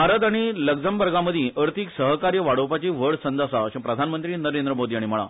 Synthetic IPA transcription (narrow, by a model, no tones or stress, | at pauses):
aɾəd̪aɽ̃iləɡd͡zəmbəɾɡaməd̪ʱiʔəɾt̪ʰiksəɦkaɾjəʋaɽowpat͡ɕiʋəɭsənd̪əsaəɕãpɾəd̪ʱanmənt̪ɾiːnəɾend̪ɾəmod̪iaɽ̃im̤əɭ̃a̰